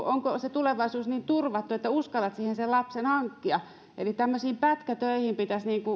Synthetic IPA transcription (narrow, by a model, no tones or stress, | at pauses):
oŋkoset̪uleʋɑisuːsniːnt̪urʋɑt̪ːuet̪ːæuskɑlːɑt̪siːhenselɑpsenhɑŋkːiɑ | elit̪æmːøsiːmpæt̪kæt̪øihimpit̪æsniːŋku